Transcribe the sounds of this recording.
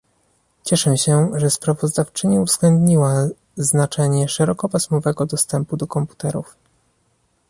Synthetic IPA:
t͡ɕɛʂɛɕɛʐɛspɾavɔzd̪aft͡ʂɘɲiuvzɡlɛnd̪ɲiwa | znat͡ʂɛɲɛʂɛɾɔkɔpasmɔvɛɡɔd̪ɔst̪ɛmpud̪ɔkɔmpu̥t̪ɛɾuf

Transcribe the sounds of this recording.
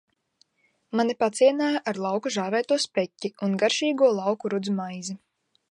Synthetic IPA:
manipat̪sʲiɛnaːjʔaɾlˠawkuʒaːvʲɛːjt̪uɔspɾɛcʲːiunɡaɾʃiːɡuɔlˠɑwkuɾud̪zmajzi

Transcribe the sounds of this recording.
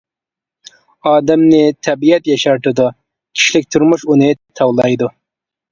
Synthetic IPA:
ɑːd̪ɛmnɪt̪ʰɛbijɛt̪jɛʃɑɾt̪ɨd̪u | kʲʰi̥ʃlɪk̚ʲt̪ʰuɾmuʃunɪt̪ʰɑwlˠɑjd̪u

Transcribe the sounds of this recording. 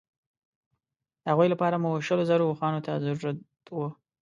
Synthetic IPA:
d̪əhaɣwujlapɑɾamuʃəlozaɾoxɑnot̪ʰazaɾuɾat̪ | wə

